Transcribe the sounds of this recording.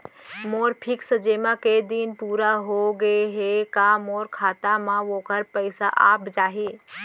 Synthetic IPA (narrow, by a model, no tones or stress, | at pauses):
moːɾpʰɪksəd͡ʒeːmãked̪iːnpuːɾaɦoɡəeɦekamoːɾkʰaːt̪amãʋoːkəɾpəɪsa̰ʔaːpd͡ʒaːɦeː